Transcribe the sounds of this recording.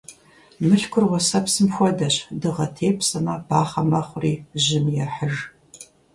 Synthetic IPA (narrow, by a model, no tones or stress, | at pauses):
mɨɬkʷʰʊrʁʷɔsɐpsɨmxʷɔdɐɕdɨʁɐtʰeːpʰsɐmab̥aːχɐmɐχʷʊriːʑɪmjɛħər